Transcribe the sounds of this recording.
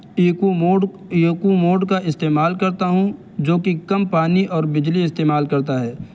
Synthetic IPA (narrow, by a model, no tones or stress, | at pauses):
uoːɖ | jkumoːɖkaʔɪst̪eːmaːlkɐɾt̪aɦũ | d͡ʒoːkikɐmpaːniʔɔːɾbɪd͡ʒliɪst̪eːmaːlkɐɾt̪aɦɛː